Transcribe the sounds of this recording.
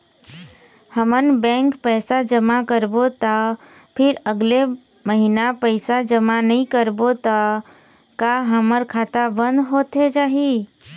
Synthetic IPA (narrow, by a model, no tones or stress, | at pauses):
həmənbɛ̃ːŋkpɛːsad͡ʒəmakəɾbot̪a | pʰɪɾəɡle | məɦinapəɪsad͡ʒəmanəɦĩkəɾbot̪a | kaɦəməɾkʰaːt̪abə̃nd̪ɦoːt̪ed͡ʒaːɦi